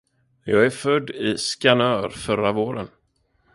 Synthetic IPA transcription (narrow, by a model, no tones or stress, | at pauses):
jɑːɡæɾfœd̪ːɪskanœːɾfœɾavoːɾən